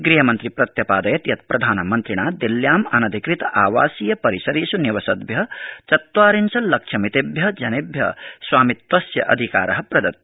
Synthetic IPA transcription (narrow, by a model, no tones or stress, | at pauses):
ɡɾiːɦɐmɐnt̪ɾipɾɐt̪jɐpaːd̪ɐjɐt̪jɐt̪̚pɾɐd̪ʱaːnmɐnt̪ɾiɽ̃aːd̪iljaːmɐnɐd̪ʱikɾit̪aːʋaːsiːjɐpɐɾisɐɾiːsuniʋɐsɐd̪bjɐt͡ʃɐt̪waːɾinsɐlɐkt͡ʃʰɐmit̪ebjɐd͡ʒɐnebʱjɐ̰swaːmit̪wɐsjɐ̰ʔɐ̰d̪ʱika̰ːɾɐɦɐ̆pɾɐd̪ɐt̪̚